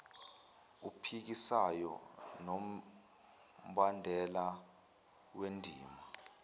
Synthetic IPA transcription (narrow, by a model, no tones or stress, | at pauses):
upʰik̬isajɔ̰nom | ɓandʱɛla | wendʱiːma